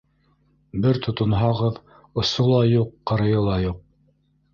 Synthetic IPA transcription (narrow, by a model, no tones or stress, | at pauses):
bɘɾt̪ʰŏt̪ŏnɦɑʁɤð | ŏsolˠɑjuqːɤ̆ɾɤ̆jɤlˠɑjuq̚